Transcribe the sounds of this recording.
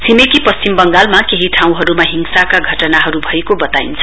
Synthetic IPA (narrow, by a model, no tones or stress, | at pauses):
sʰimekipʌst͡simbʌŋɡalmakeɦiʈʰaw̃ɦʌɾumaɦiŋsakaɡʱʌʈʌnaɦʌɾubʱʌekobʌt̪aint͡sʰʌ̥